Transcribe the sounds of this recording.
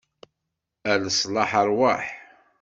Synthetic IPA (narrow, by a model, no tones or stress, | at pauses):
æləsˤlɑħəɾˤwaħ